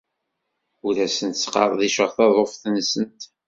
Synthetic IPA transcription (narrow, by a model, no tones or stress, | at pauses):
uɾæsənt̪sqɑ̰ɾˤðiʃəʁθɑðˤofθənsənt̪